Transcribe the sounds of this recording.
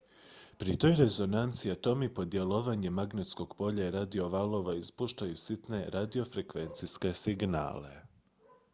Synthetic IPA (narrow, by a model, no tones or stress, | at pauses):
pɾit̪o̞ːjɾe̞zo̞nant̪siat̪o̞mipo̞d̪je̞loʋaɲemaɡnet̪sko̞ɡ̥po̞ʎaɾad̪io̞ʋalˠo̞ʋaispuʃt̪ajusit̪ne̞ɾad̪io̞fɾekʋe̞nt̪siske̞siɡna̰ːle̞̰